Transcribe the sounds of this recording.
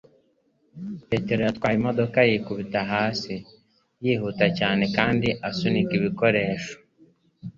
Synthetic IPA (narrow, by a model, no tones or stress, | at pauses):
pe̞ːte̞ɾojat̪waːjimo̞do̞kajikuβitaɦaːsi | jiːhuːtacaːne̞kaːndiʔasunikiβiko̞ɾe̞ːʃo̥